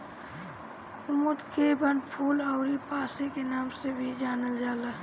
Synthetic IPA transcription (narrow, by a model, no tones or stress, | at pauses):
ʊmud̪kebənpʰuːləʊɾipaːsekenaːmsebʱid͡ʒaːnəld͡ʒaːləɦ